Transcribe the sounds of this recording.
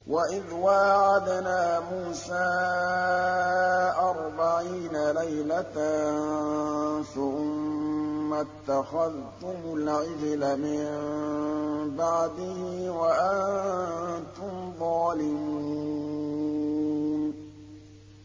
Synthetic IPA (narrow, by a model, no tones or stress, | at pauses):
waʔɪðwaːʕad̪naːmuːsaː | ʔɑɾˤbaʕiːnalajlat̪an | faʔʊmː | at̪ːaxaðt̪ʊmʊlʕɪd͡ʒlamɪ | baʕd̪ɪhɪwaʔant̪ʊmðˤɑːlɪmu | n